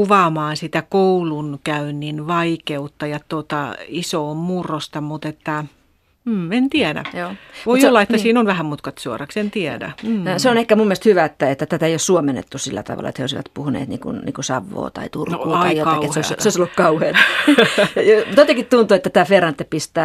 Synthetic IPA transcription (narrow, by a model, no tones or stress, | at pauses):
kuʋɑːmɑːnsit̪ækoulunkæynːinʋɑikeut̪ːɑjɑt̪ot̪ɑ̰isoːmmurːost̪ɑmut̪et̪ːæ | m̩ent̪iædæ̰joːʋomiolːɑet̪ːæsiːnonʋæhæmut̪kɑt̪suorɑksent̪iædæ̰m̩ːseonehkæmumːiest̪hyʋæet̪ːæet̪ːæt̪æt̪æeijossuomenːḛt̪ːusilːæ̰t̪ɑ̰ʋɑ̰lɑet̪heoisiʋɑ̰t̪puhunḛːt̪nḭːŋkṵnnḭːŋkusɑʋːo̰ːt̪ɑ̰it̪urkːuːt̪ɑijoɑkieseoseoisolːukkɑuheːt | ɑjomut̪ot̪ekit̪t̪unt̪uːet̪ːæt̪æːferɑnt̪ːepist̪æː